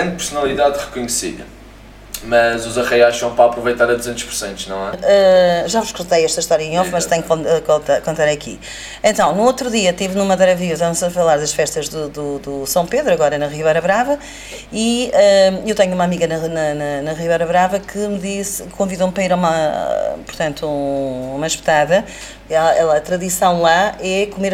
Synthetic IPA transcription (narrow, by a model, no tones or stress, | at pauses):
ɐ̃nd̪̚pɨɾsunɐlˠiðaðʁɨkuɲsḭðɐ̰ | mɐzuzɐʁɐjaʃɐ̃w̃pɾapɾuvɐjt̪aɾɐðuzẽnt̪ʃpuɾsẽnt̪uʒnɐ̃w̃ɛɛʒavuʃkuɾt̪ɐjɛʃt̪ɐiʃt̪ɔɾjiɐẽɔfmɐʃt̪ɛ̃ɲ̃kkõt̪akõnt̪aɾɐkḭ | ẽnt̪ɐ̃w̃nuot̪ɾuðiɐt̪ivnumɐðɛɾɐviut̪amzɐfɐlˠaɾðɐʃfɛʃt̪ɐʒðuðud̪usɐ̃w̃peðɾuɐɣɔɾɐnɐʁivɛjɾɐβɾavɐ | iɛewt̪ɛɲumamiɣɐnɐnɐnɐnɐʁivɛjɾɐβɾavɐkʰɨmɨðiskõviðompɾɐiɾmapuɾt̪ɐ̃nt̪uumɐʃp̚t̪aðɐ | ɛlɛlˠɐɐt̪ɾɐðisɐ̃w̃lˠaɛkumeɾ